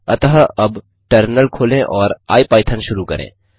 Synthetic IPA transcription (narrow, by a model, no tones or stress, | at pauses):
ɐt̪ɐɦaɐb | ʈəɾnəlkʰoːlẽʔɔːɾa̰ːipaːɪt̪ʰənʃʊɾukɐ̰ɾʔḛ̃ː